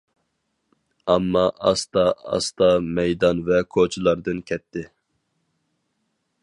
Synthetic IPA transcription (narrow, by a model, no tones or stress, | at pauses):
ɑmːɑʔɑst̪ɑɑ̰st̪ɑmɛjd̪ɑnvɛkʰot͡ʃʰilˠɑɾd̪ɨnkʲʰɛt̪ʰːɪ